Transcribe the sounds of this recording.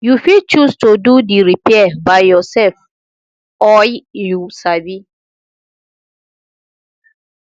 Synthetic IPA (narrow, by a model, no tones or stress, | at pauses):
jufit͡ʃustodudiɹipɛabaɪjɔsɛlf | ɔjjusabi